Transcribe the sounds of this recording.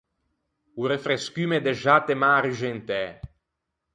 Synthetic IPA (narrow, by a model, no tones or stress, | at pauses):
uɾefɾeskymed̪eʒat̪emaːɾyʒent̪ɛ